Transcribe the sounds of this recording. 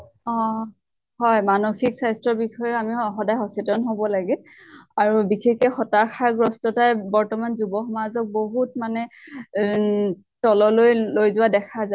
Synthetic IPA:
ɔ̃ | hɔjmanoxiksajstɹɔbixɔjɔamiɔxɔdajɦɔsitɔnɦobɔlaɡɛ | aɹubixekɛxɔtaɹxʰaɡɹɔstɔtajbɔɹtɔmanzubɔxɔmazɔk̚boɦutmanɛ | tɔlɔlojlojzʊwadɛkʰaza

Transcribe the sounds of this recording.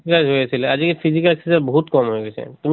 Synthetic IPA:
kad͡ʑɦojet͡ɕʰilead͡ʑkepʰizikalkesaboɦut̪kɔmɦojɡɛt͡ɕʰḛt̪um

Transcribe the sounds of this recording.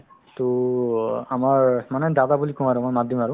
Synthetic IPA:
tu | amaɹmanɛdadabulikʰũaɹumɔjmat̚dimaɹʊ̃

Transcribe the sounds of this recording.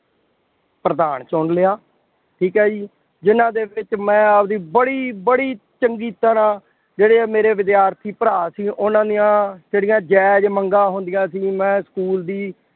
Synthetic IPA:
pɾəd̪aːɳt͡ʃɔːɳlɪaː | ʈʰiːkɦɛːd͡ʒiː | d͡ʒɪnãːd̪eːbɪt͡ʃmɛ̃ːəpd̪iːbəɽiːbəɽiː | t͡ʃəŋɡiːt̪əɾãː | d͡ʒeːɽeːmeːɾeːʋɪd̪jaːɾt̪ʰiːpəɾaːsiːʔʊnãːd̪ijãːd͡ʒeːɽijãːd͡ʒɛːd͡ʒməŋɡãːɦʊnd̪ɪjãːsiːmɛ̃ːskuːld̪iː

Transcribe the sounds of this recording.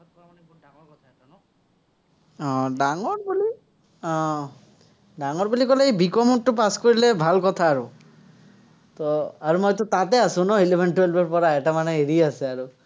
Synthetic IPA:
aɔkɔt̪ʰa | nɔ | ɔ̃ɖaŋɔɾbuli | ɔ̃ | ɖaŋɔɾbulikɔleejbikɔmunʈupaskoɹilebʱalkɔt̪ʰaːɾu | t̪ɔaɾumɔjt̪̬ɔt̪at̪easunɔɦilibʱeɳʈuelbɔɾpɔɾaeʈamaneeɾiaseaɾu

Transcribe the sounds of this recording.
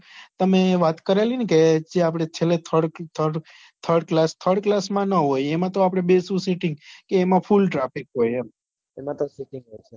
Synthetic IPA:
t̪əmeʋat̪kəɾelineked͡ʒeapɽ̃et͡ʃʰelet̪ʰəɽt̪ʰəɖ | t̪ʰəɾɖklast̪ʰəɾɖ̚klasmãnəɦojemãt̪oapɽ̃ebesũsiʈĩŋɡkeːmãfʰulʈɾafikɦojema | emãt̪osiʈĩŋɡɦojt͡ʃʰe

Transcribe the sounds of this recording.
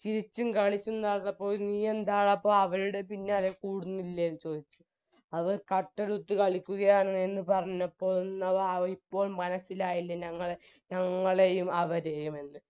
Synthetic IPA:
t͡ɕiɾit͡ɕːumkɐɭit͡ɕːund̪aːɭt̪ːɐpːo̞ːniːend̪aːɭɐpːoːɐʋɐɾuɽe̞pinːaːlekuːɽunːilːɐjenːɨt͡ɕo̞ːd̪it͡ɕːu̥ | ɐðoɾkɐʈːɐɽut̪ːɨkɐɭikʲːuɣɐjaːɳɐenːɨpɐrɐɲːɐpːo̞ːɭnːɐɐipːo̞ːlmɐnɐsilaːjilːɐɲɐŋːɐɭe | ɲɐŋːɐɭe̞jumɐʋɐɾe̞jume̞nːɨ

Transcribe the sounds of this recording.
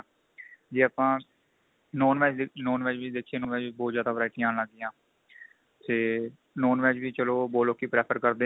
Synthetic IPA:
d͡ʒiːaːpãː | noːnʋɛːd͡ʒnoːnʋɛːd͡ʒʋiːd̪eːkʰːieːnõːnʋɛːd͡ʒbɔːt̪zjaːd̪aːpɾaːɪʈĩaːnlaːɡd̪ɪjãː | t̪eː | noːnʋɛːd͡ʒʋiːt͡ʃəloːboːloːkːiːpɾɛːpʰəɾkəɾd̪eː

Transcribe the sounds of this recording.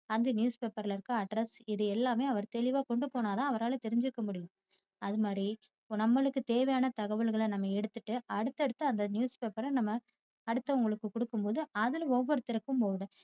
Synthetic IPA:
ɐnd̪ɐnjuːspeːpɐɾlɪɾɯkːɯɐɖɾɐsɪðɯɛlːaːmeːɐʋɐɾt̪ɛɭɪʋaːkɔɳɖɯpoːnaːt̪ãːɐʋɐɾaːlt̪ɛɾɪɲd͡ʒɪɾɯkːɐmʊɽɪjʊ̃m | ɐðɯmaːd̪ɾi | nɐmːɐɭɯkːɯt̪eːʋɐjaːnɐt̪ɐɣɐʋɐɭɣɐɭɐnɐmːɐɛɽɯt̪ːɯʈːɯɐɽɯt̪ːɛɽɯt̪ːɯɐnd̪ɐnjuːspeːpɐɾɐnɐmːɐː | ɽɯt̪ːɐʊŋɡɐɭɯkːɯkʊɽɯkːɯmpoːðɯɐðɪlɔʋːɔɾɯt̪ːɪɾɐkːɯmpoːðɐ

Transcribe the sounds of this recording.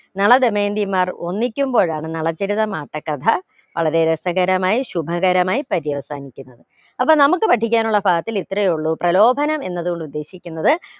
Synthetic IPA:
nɐɭɐd̪emeːnd̪imːaːro̞nːikʲːumbo̞ːɻaːɳɨnɐɭɐt͡ɕːeɾiðɐmaːʈːɐkːɐt̪ʰɐ | ʋɐ̰ɭɐɾe̞ɾesɐɣɐɾɐmaːjiɕubʱɐɣɐɾɐmaːjipɐɾijɐʋɐsa̰ːnikʲːunːɐðɨ | ɐpːoːnɐmukːɨpɐʈʰːikʲːaːnuɭːɐbʱaːɡɐt̪ːilit̪ːrɐjuɭːuprɐlo̞ːbʱɐnɐme̞nːɐðuɣo̞ɳɖud̪ːe̞ːɕikʲːunːɐðɨ

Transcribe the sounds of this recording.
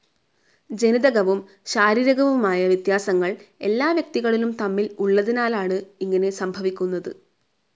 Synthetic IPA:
d͡ʑeniðɐɣɐʋum | ɕaːɾiːɾɐɣɐʋumaːjɐʋjɐt̪jaːsɐŋːɐɭe̞lːaːʋjɐk̚t̪iɣɐɭilumt̪ɐmːiluɭːɐðinaːlaːɳɨiŋːɐne̞sɐmbʱɐʋikʲːunːɐðɨ

